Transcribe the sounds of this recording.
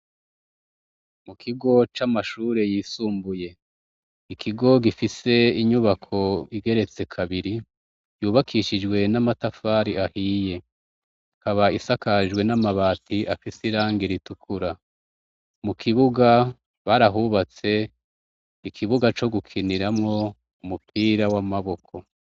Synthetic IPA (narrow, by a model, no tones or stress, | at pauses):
mukʰiɡo̞t͡ʃamaʃuːɾe̞jiːsuːmbuje̞ | ikʰiɡo̞ɡifise̞iɲuβakʰo̞iɡe̞ɾe̞t͡se̞kʰaβiɾi | juːβakʰiʃid͡ʒɡwe̞namatafaɾiahiːje̞ | haβaisakaʒɡwe̞namaβaːtʰiʔafisiɾaːŋɡiɾitukʰuɾa | mukʰiβuɡa | βaɾaɦuβat͡se̞ | ikʰiβuɡat͡ʃo̞ɡukʰiniɾamŋo̞ | umupʰiːɾawamaβo̞kʰo̞